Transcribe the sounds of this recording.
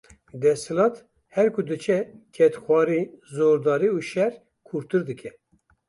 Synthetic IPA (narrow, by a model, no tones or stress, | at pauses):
d̪ɛsɨlɑːt̪ | hɛɾkʰud̪ɨt͡ʃʰɛkʰɛt̪xʷɑːɾiːzoːɾd̪ɑːɾiːuʃɛɾ | kʰuɾt̪ɨɾd̪ɨkʰɛ